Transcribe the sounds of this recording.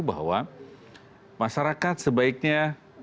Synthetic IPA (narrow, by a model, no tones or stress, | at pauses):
bʱa̰wa | masaɾakat̪səbaik̚na